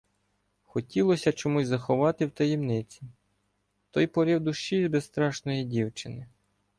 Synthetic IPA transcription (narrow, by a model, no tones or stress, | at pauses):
xɔtʲilˠɔsʲɐt͡ʃɔmuzʲzɐxɔʋɑt̪ɪwt̪ɐjimnɪt͡sʲi | t̪ɔjpɔɾʲiwd̪ʊʃt͡ʃizʲbest̪ɾɑʃnɔjidʲiwt͡ʃɪnɪ